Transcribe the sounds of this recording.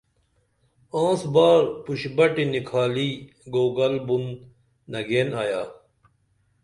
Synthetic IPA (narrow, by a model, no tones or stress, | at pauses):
ãːsbaːɾpuɕbɐʈinikʰaːli | ɡoːɡɐlbunː | ɐɡeːnaːja̰ː